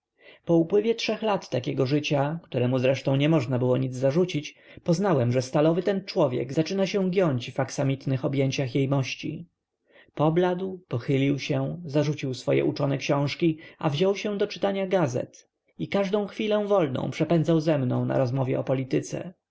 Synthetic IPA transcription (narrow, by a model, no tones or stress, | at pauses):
pɔupwɘvʲjɛtʂɛxlat̪ːakʲɛɡɔʐɘt͡ɕakt̪uɾɛmuzɾɛʂt̪ɔ̃w̃ɲɛmɔʐnabɘwɔɲid̪zzaʐut͡ɕit͡ɕpɔznawɛmʐɛst̪alɔvɘt̪ɛnt͡ʂwɔvʲjɛ̰ɡz̥at͡ʂɘnaɕɛ̃ɡjɔɲd͡ʑvaksamʲit̪nɘxɔbʲjɛɲt͡ɕaxjejmɔɕt͡ɕḭ | pɔblad̪wpɔxɘlʲiwɕɛzaʐut͡ɕiwsfɔjɛ̰ʔut͡ʂɔnɛkɕɔ̃w̃ʂkʲiavʑɔwɕɛ̃d̪ɔt͡ʂɘ̥t̪aɲaɡazɛ̰t̪ | ikaʐd̪ɔ̃w̃xfʲilɛ̃w̃vɔlnɔ̰̃w̃pʂɛpɛnd̪zawzɛmnɔ̰̃w̃na̰ɾɔzmɔvʲjɛ̰ʔɔpɔlʲit̪ɘt̪sɛ̰